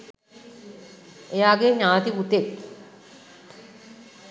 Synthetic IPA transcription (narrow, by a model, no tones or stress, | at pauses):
ejaːɡeɲaːt̪ibut̪ek